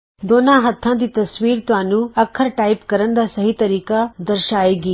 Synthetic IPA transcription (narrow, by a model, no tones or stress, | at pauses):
d̪oːnãːɦɐt̪ʰːãːd̪it̪ɐsʋiːɾt̪ʋãːnuɐkʰːɐɾʈaːipkɐɾɐnd̪ɐsɐɦit̪ɐɾiːkad̪ɐɾʃaːeːɡi